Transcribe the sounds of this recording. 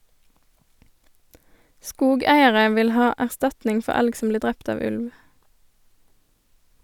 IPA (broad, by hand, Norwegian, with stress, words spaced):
ˈskuːˌɡæɪəʁə ˈʋɪl ˈhɑː æʁˈstɑtnɪŋ ˈfɔ ˈælɡ ˈsɔm ˈbliːʁ ˈdʁɛpt ˈɑːʋ ˈʉlʋ